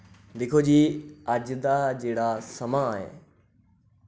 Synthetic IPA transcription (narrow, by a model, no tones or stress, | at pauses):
ʋɪkʰod͡ʑiːəd͡ʑd̪ad͡ʑeːɽasɐmãːɦḛː